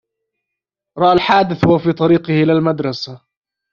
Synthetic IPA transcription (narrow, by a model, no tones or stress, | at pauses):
ɾˤɑʔalħaːd̪ɪθwafiːt̪ˤɑɾiːqɪhʔɪlalmad̪ɾˤɑsa